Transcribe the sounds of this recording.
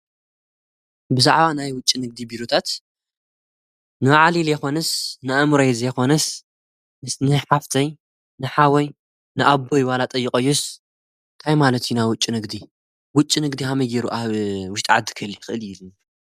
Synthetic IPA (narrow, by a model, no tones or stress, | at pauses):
bɨzaʕβanajwʊt͡ʃʼːinɨɡ̚d̪ibiɾot̪ʰat̪ | nɨwaʕaliljɛxo̞nɐsnɨʔɨmɾojzjɛxo̞nɐs | mɨsnɨħaft̪ʰɐj | nɨħawɐj | nɨʔabːo̞jwalat̪ʼɐjːɪkʼɐjːus | ɨnt̪ʰajmalɐt̪junajwʊt͡ʃʼːinɨɡd̪i | wʊt͡ʃʼːinɨɡd̪iɦamɐjɡeɾuʔawʊʃt̪ʼʕad̪ɨ̥kʰɨɨljɪxɨʔɨlɪl